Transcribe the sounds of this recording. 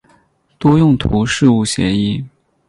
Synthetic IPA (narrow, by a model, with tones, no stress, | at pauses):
t̪wɔ˥jʊ˥˩ŋt̪ʰu˧˥ʂɻ̩˥˧u˥˩ɕjɛ̰˧˥i˥˩